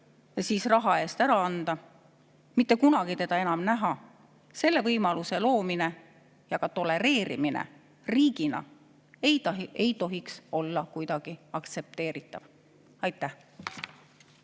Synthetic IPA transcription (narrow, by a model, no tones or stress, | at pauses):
jɑsiːsrɑɦɑe̞ːst̪æɾɑɑnd̪̥ɑ | mit̪ːe̞kunɑɡ̥it̪e̞d̪̥ɑe̞nɑmnæɦɑ | se̞lːe̞vɤjmɑluse̞lo̞ːmine̞ | jɑɡ̥ɑt̪o̞le̞ɾe̞ːɾḭminḛ | riːɡ̥inɑ̰ | ej̪ejt̪o̞ɦikso̞lːɑkujd̪̥ɑɡ̥iɑkt̪se̞p̚t̪e̞ːɾit̪ːˑɑv̥ | ɑjt̪ːˑæh